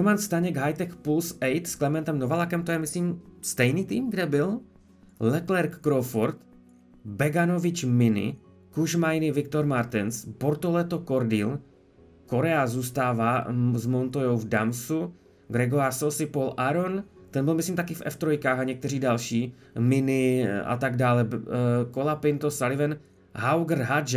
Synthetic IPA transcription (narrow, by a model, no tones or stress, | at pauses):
ɾomanst̪aɲɛɡɦajt̪ɛxpulsɛjt̪sklɛmɛnt̪ɛmnovalakɛmt̪ojɛmɪsliːmst̪ɛjniːt̪iːmɡdɛbɪl | lɛklɛɾkːɾofoɾt̪ | bɛɡanovɪt͡ʃmɪnɪ̰ | kuʒmajnɪvɪk̚t̪oɾmaɾt̪ɪnsbo̞ɾt̪olɛt̪okoɾdiːl | ko̞ɾɛazuːst̪aːvaːzmo̞nt̪ojowvdamsu | ɡɾɛɡoɾasosɪpolʔaɾont̪ɛnbɪlmɪsliːmt̪akɪfɛ̰ft̪ɾojkaːxaɲɛkt̪ɛriːdalʃiː | mɪnɪa̰t̪aɡdaːlɛkolapɪnt̪osalɪvɛn | ɦawɡr̩ɦad͡ʒ